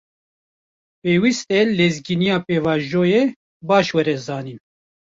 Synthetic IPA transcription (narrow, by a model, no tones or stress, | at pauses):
peːwist̪ɛlezɡinijɑːpeːvɑːʒoːje | bɑːʃwɛɾɛzɑːniːn